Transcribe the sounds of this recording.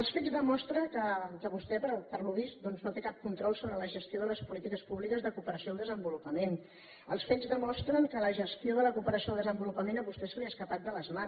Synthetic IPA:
əlˠsfezðəmɔst̪ɾəkəkəβust̪ɛpəɾpəɾluβist̪̚d̪ɔnznot̪ekap̚kunt̪ɾɔlˠsoβɾələʒəst̪ioðələspulit̪ikəspuβlikəzðəkupəɾəsiolˠd̪əzəmbulupəmen | əlˠsfezðəmɔst̪ɾəŋkələʒəst̪ioðələkupəɾəsioəlˠd̪əzəmbulupəmenəβust̪ɛsəliəskəpat̪̚d̪ələzma

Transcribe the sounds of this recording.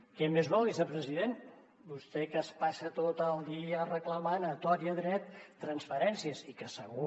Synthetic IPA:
kɛmezβɔlˠðizəpɾəziðen | bust̪ɛkəspasət̪ot̪əlˠd̪iərəkləmanət̪ɔɾiəðɾɛt̪ːɾənsfəɾɛnsiəsikəsəɣu

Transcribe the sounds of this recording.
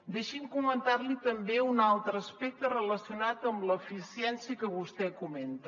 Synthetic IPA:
d̪eʃimkumənt̪aɾlit̪əmbeunalˠt̪ɾəːspɛk̚t̪ərələsiunat̪əmləfisiɛnsiəkəβust̪ɛkument̪ə

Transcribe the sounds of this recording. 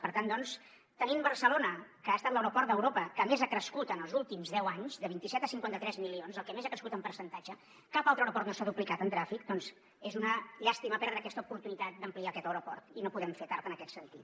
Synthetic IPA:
pəɾt̪and̪ɔns | t̪ənimbəɾsəlonəkəaːst̪at̪ləwɾupɔɾt̪d̪əwɾopəkəmezakɾəskut̪ənəlˠzulˠt̪imzðɛwaɲzðəβint̪isɛt̪əsiŋkwant̪ət̪ɾɛzmilionzəlˠkɛmezakɾəskut̪əmpəɾsənt̪ad͡ʒə | kapalˠt̪ɾəwɾupɔrt̪nosaðuplikat̪ənt̪ɾafikd̪ɔnz | ezunəʎast̪iməpɛɾðɾəːkɛst̪əupuɾt̪unit̪at̪̚d̪əmpliakɛt̪əwɾupɔrt̪inopuðɛmfet̪aɾt̪ənəkɛt̪sənt̪it̪

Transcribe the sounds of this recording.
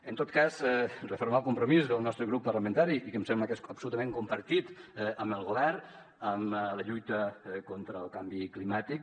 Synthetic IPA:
ənt̪ot̪kazɛrəfoɾmalˠkumpɾumizðəlˠnɔst̪ɾəɣɾupːərləmənt̪aɾiʔikəmsɛmbləkesəpsulut̪əmẽŋkumpəɾt̪it̪əməlˠɣoβɛɾ | əmləʎujt̪əkont̪ɾəːlˠkambiklimat̪ik̚

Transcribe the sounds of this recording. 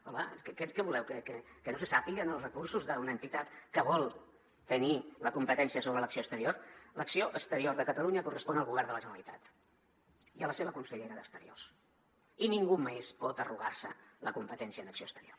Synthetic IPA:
ɔlə̰kkɛkɛβulɛwkəkəkənosəsapiɣənəlˠrəkursuzðəunəːnt̪it̪at̪kəβɔlˠ | t̪əniləkumpət̪ɛnsiəsoβɾələksioəst̪əɾioɾləksioʔəkst̪əɾioɾðəkət̪əluɲəkurəspɔnəlˠɣuβɛrnd̪ələʒənəlit̪at̪ | iələseβəkunsəʎeɾəðə̰kst̪əɾḭo̰rs | iniŋɡumespɔt̪əruɣaɾsələkumpət̪ɛnsiənəksio̰st̪əɾior

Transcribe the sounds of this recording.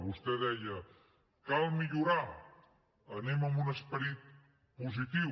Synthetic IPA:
βust̪ɛðɛjə | kalˠmiʎuɾa | əneməmbunəspəɾit̪̚ | puzit̪iw

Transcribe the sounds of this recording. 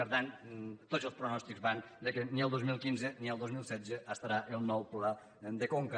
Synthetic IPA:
əɾðant̪ozəlˠspɾunɔst̪ikzβand̪əkəniəlˠd̪ozmilˠkinzəniəlˠd̪ozmilˠsɛdzəʔəst̪aɾaʔəlˠnɔwpla | d̪əkoŋkə

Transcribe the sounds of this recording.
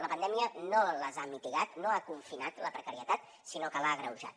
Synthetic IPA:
ləpənd̪ɛmiənoləzamit̪iɣat̪noakuɱfinat̪ləpɾəkəɾiət̪at̪̚ | sinokəlaɣɾəwʒa̰t̪

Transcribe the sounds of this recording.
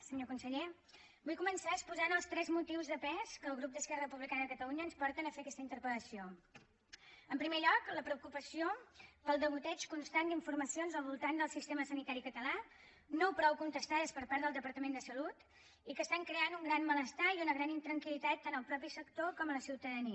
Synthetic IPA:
səɲokunsəʎe | bujkumənsaəspuzanəlˠst̪ɾɛzmut̪iwzðəpɛskəːlˠɣɾup̚d̪əskɛrəəpuβlikanəðəkət̪əluɲəːnspɔɾt̪ənəfeəkɛst̪əint̪əɾpɾələsio | əmpɾimeʎɔkləpɾəukupəsiopəlˠd̪əβut̪ɛt͡ʃkunst̪and̪iɱfurməsionzəlˠβulˠt̪and̪əlˠsist̪eməsənit̪aɾikət̪əla | nopɾɔwkunt̪əst̪aðəspəɾpaɾðəlˠd̪əpəɾt̪əmend̪əsəlut̪ | ikəst̪aŋkɾeanuŋɡɾanmələst̪aiunəɣɾanint̪ɾəŋkilit̪at̪ːanəlˠpɾɔpisəkt̪okɔmələsiwt̪əðəniə

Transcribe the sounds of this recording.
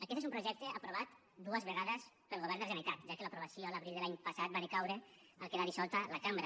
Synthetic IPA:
akɛt̪ezumpɾuʒɛk̚t̪eapɾoβ̞at̪ | d̪uəzβeɣaðəs | pelˠɣoβ̞ɛɾnd̪eʒenait̪at̪̚ʒakelapɾuβasijoalaβɾilˠd̪elaɲpasat̪̚banikawɾe | alˠkeðaɾisɔlˠt̪alakambɾa

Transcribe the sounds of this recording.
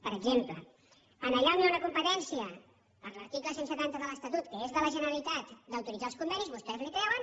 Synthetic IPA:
pəɾəɡzemplə̰ | ənəʎaniunəkumpət̪ɛnsiə | pəɾləɾt̪ikləsensət̪ant̪əðələst̪at̪ut̪kəezðələʒənəɾəlit̪at̪d̪əwt̪uɾidd͡zalˠskumbɛnizβust̪ɛzlikɾɛwən

